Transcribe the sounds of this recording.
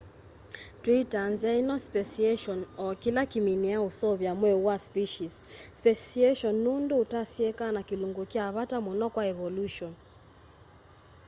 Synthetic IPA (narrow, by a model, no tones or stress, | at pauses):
twiitaːnziainɔspɛsiɛʃɔnɔkilakiminɛausɔβjamwɛuwaspiʃisspɛsiɛʃɔnːundoutasiɛkanakiluŋɡokjaβatamɔnɔkwaɛβɔluʃɔn